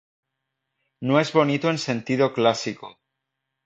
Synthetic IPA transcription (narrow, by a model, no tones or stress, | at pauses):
noe̞zβo̞nit̪oe̞nse̞nt̪iðo̞klasiko